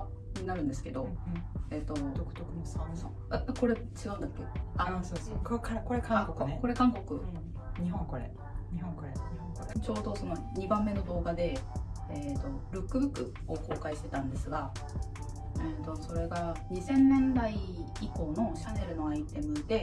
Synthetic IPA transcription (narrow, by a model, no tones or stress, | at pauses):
ɲ̟inaɾɯ̟nd̪esɨ̥ke̞d̪o̞et̪ːod̪okɯ̥t̪okɯ | ako̞ɾe̞ | t͡ɕiɡaɯ̃nd̪akːe̞asookkakoɾekãkokko̞ɾe̞kãŋko̞kɯ̟ | ɲiɦõŋkoɾḛ | ɲiɦõŋkoɾẽt͡ɕo̞ːd̪o̞so̞no̞ | ɲ̟ibãmːe̞no̞d̪o̞ːɡad̪e̞eːt̪o̞ɾɯ̟kːɯ̟bɯ̟kːɯ̟̰ | oko̞ːkaiɕi̥t̪e̞t̪ãnd̪e̞sɨɡa | et̪oso̞ɾe̞ɡaɲ̟isẽ̞nːẽ̞nd̪ai | iko̞ːno̞ɕane̞ɾɯ̟no̞ait̪e̞mɯ̟d̪e̞